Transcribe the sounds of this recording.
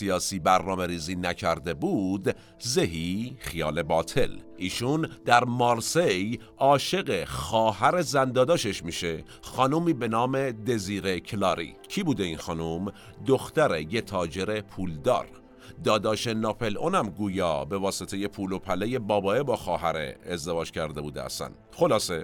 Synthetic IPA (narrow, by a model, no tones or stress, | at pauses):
ijɒːsiːbæɾnɒːme̞ɾiːziːnæcʰæɾd̪e̞buːd̪ | zeɦixijɒ̰ːle̞bɒːt̪ʰe̞lʔiːʃund̪æɾmɑɾsej | ʔɒːʃe̞ɣexɒːhæɾe̞zænd̪ɒːd̪ɒːʃe̞ʃmiːʃe | xɒːnuːmiːbe̞nɒːme̞d̪e̞ziːɾe̞cʰlɒːɾḭcʰiːbuːd̪e̞inxɒːnum | d̪oxt̪æɾejet̪ʰɒːd͡ʒe̞ɾe̞pʰuːld̪ɒ̰ːɾ | d̪ɒːd̪ɒːʃenɒpʰe̞lʔonæmɡuːjɒ̰ːbe̞vɒːset̪ʰe̞je̞pʰuːlopʰæleje̞bɒːbɒːebɒːxɒːɦæɾḛːzd̪e̞vɒːd͡ʒcʰæɾd̪e̞buːd̪ḛæ̰sæ̰n | xo̞lɒːse̞